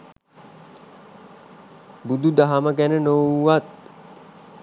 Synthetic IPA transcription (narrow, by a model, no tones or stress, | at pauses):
bud̪ud̪aɦaməɡænənowat̪̚